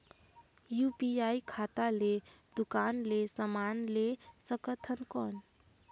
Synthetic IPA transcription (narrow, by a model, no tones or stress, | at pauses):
jupiajkʰat̪ale | d̪ukanlesəmanlesəkət̪ʰənkɔn